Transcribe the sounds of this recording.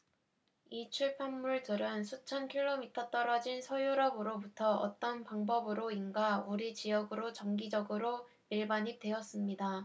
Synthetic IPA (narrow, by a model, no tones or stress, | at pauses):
it͡ɕʰuɭpʰjamːuɭdɯɾɯnsʰut͡ɕʰʌnkʰiɭːomitʰʌt͈ʌɾʌd͡ʑinsʰʌjuɾʌbɯɾobutʰʌʌ̰t͈ʌnpaŋbʌbɯɾoinɡauɾit͡ɕijʌɡɯɾot͡ɕʌŋɡid͡ʑʌɡɯɾo | miɭbaɲip̚t͈we̞ʌs͈ɯmɲida